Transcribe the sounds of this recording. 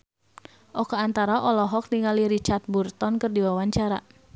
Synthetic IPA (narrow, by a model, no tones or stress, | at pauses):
ʔɔkaant̪aɾaʔɔlɔɦɔk̚niŋaliɾit͡ʃart̪̚burt̪ɔnkɨrdiwawaɲt͡ʃaɾa̰